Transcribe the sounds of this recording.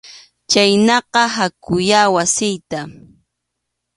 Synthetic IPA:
t͡ʃajnɑqɑɦakʊjaːwasɪjt̪a

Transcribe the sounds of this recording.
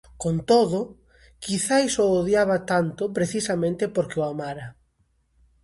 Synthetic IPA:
kont̪oðʊ | kiθajsoːðjaβɐt̪ant̪ʊpɾeθisamẽnt̪ɪpoɾkɪoamaɾɐ

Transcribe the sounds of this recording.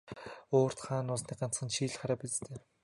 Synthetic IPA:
oːr̥t̪χaːnʊsniːɢan̥t͡sχə̆nʃiːɮ̆χaɾaːpit͡st̪ʰeː

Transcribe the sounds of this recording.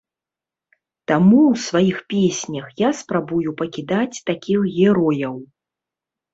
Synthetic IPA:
t̪amuwsvajixpʲesʲnʲɐxjaspɾabujupɐkʲid̪at͡sʲt̪akʲixɣʲɛɾɔjɐw

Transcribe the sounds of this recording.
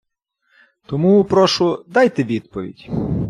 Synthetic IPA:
t̪ɔmupɾɔʃʊd̪ɑjt̪eʋʲid̪̥̚pɔʋʲḭdʲ

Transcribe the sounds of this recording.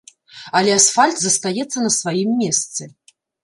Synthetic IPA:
ɐlʲɛasfalʲt̪zɐst̪ajɛt̪sːɐnɐsvajimːʲɛst̪sɨ

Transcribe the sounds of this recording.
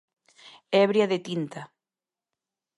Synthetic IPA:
ɛβɾjaðet̪int̪a

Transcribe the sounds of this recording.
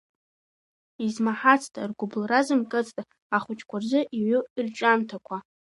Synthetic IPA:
izmaħat͡sʰtʼa̰rɡʷʊblrazɨmkʼɨt͡sʼtʼ | aχʷʊt͡ʃʰʼkʷarzɨʔiɥʊrt͡ʃʷʼamtʰakʷʰa

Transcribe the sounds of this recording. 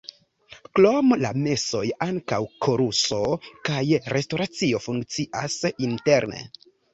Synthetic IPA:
klomla̰me̞so̞jaŋkawkʰo̞ɾuso̞kajɾe̞sto̞ɾat͡sio̞fuŋkt͡siʔasinte̞ɾne̞̰

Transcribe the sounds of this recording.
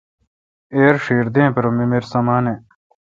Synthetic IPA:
eːɾʂiːɾd̪ẽːpɐɾomimeɾsɐmaːne

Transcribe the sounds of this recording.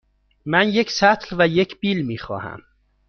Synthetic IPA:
mænje̞cʰsæt̪ʰlvæjecʰb̥iːlmiːxɒ̰ːhæ̰m

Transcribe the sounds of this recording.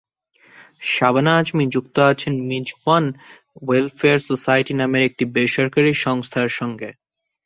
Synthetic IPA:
ʃabanaːd͡ʑmid͡ʑukt̪oat͡ɕʰenmid͡ʑban | welfeaɾsosajʈinameɾek̚ʈibeʃɔɾkaɾiʃɔŋst̪ʰaɾʃɔŋɡe

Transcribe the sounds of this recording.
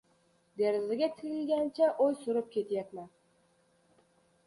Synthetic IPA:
d̪eɾɪzɪɡʲɛt̪ʰɪɾɪlɡʲænt͡ʃʰɛʔojsuɾɨp̚kʲʰet̪jɛt̪mɛn

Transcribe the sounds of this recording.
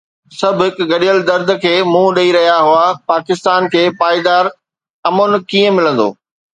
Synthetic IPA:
sɐbʱʊɦɪkʊɡɐɗijəld̪ɐɾd̪̆ʱkʰeːmũːɗɐiɾɐɦijaɦʊapaːkɪst̪aːnkʰeːpaːɪd̪aːɾ | ɐmonkiːə̃mɪlə̃nd̪o̰ː

